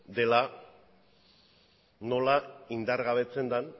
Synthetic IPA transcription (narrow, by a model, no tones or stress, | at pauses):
d̪e̞la | no̞laind̪aɾɣaβ̞e̞t͡se̞nd̪an